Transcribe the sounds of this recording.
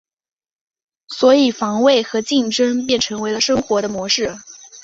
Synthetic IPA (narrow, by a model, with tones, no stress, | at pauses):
swɔ˧˥i˨˩fɑ˧˥ŋwe˥˩ɪxɤ˧˥t͡ɕi˥˩ŋʈ͡ʂɤ˥ŋp̬jɛ˥˩nʈ͡ʂʰɤ˧˥ŋwe˧˥ɪlə˧ʂɤ˥ŋxwɔ˧˥ɾə˧mwɔ˧˥ʂɻ̩˥˩